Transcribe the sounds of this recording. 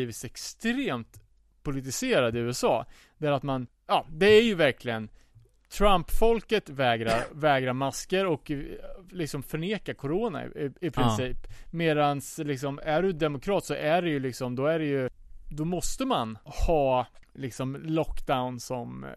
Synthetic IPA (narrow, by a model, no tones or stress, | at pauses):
iːvɪt̪sɛkst̪ɾeːmt̪ | pʰʊlɪt̪ɪseːɾad̪ɪʉːɛsɑ̰ː | d̪æɾat̪man | jɑːd̪ɛæɾjɵvæɾkʰlɪɡən | t̪ʰɾampːfɔlkət̪vɛːɡɾa̰ɾvɛːɡɾaɾmaskəɾɔklɪksɔmfœɳeːkaɾkʰʊɾoːna̰ɪ̰ɪɪpʰɾɪnsiːpmeːd̪anslɪksɔmæɖɵd̪ɛmʊkʰɾɑːt̪sɔʔæɖɛjɵlɪksɔmd̪ɔæɾɛjɵd̪ɔmɔst̪əmanhɑː | lɪksɔmlɔkːd̪aʊnsɔm